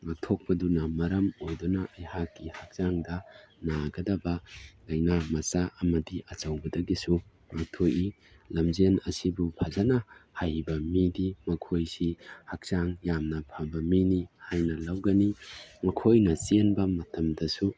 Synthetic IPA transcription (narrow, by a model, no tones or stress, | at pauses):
mak̚tʰok̚pɐdunɐmɐɾɐmojdonɐʔːjhakːihak̚zaŋdɐ | naɡɐdɐbɐlɐjnamɐsaʔɐmɐdiʔɐt͡ʃɐwbɐdɐɡisu | mak̚tʰoji | lɐmzenɐsibupʰazanɐhajbɐmidimɐkʰojsihak̚saŋjamnɐpʰabɐminihajnɐlɐwɡɐnimɐkʰojnɐsenbɐmɐtɐmdɐsu